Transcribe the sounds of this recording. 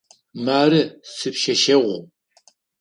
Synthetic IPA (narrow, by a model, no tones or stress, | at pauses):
maːrɨsɨpʃɐʃɐʁʷṵ